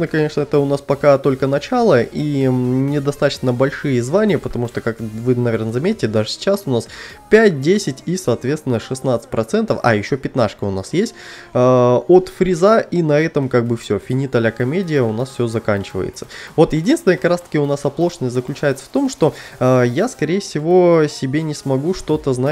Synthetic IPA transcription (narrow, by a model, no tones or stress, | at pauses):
nəkɐnʲe̞ʂnəɛt̪əʊnaspɐkat̪o̞lʲkənɐt͡ɕalˠəʔinʲɪd̪ɐst̪at̪ə̥t͡ɕnəbɐlʲʂɨjəzvanʲɪjəpət̪ɐmuʂt̪okakvɨnɐvʲernəzɐmʲetʲɪtʲɪd̪aʐɨsʲɪ̥t͡ɕasʊnaspʲæt̚ʲdʲesʲɪtʲisɐːt̪vʲet̪t̪ʲɪnəʂɨsnat̪sə̥t̚ʲpɾɐt̪sɛnt̪əfɐ̰jɪɕːo̞pʲɪt̪naʂkəʊna̰sjesʲt̚ʲː | ot̪fɾʲɪzaʔinɐɛt̪əmkaɡ̚bɨfsʲɵfʲɪnʲit̪ɐlʲakɐmʲedʲɪjəʊnasfsʲozɐkanʲt͡ɕɪvə̰jɪ̰t̪sə̥vo̞t̪jɪdʲinst̪ʲɪnjəkɐkɾast̪ə̥kʲɪʊnasɐplˠo̞ʂnəsʲtʲzəklʲʉt͡ɕæjɪt̪sə̥ft̪o̞mʂt̪o̞əjaskɐɾʲejəfsʲɪvo̞sʲɪbʲenʲɪsmɐɡuʂt̪o̞t̪əzna